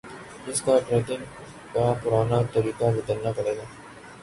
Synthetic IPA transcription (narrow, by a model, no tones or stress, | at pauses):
ɪskaʈɾet̪ɪn | kapʊɾaːnat̪ɐɾiːkaʋɪt̪əɾnapɐɽeːɡaː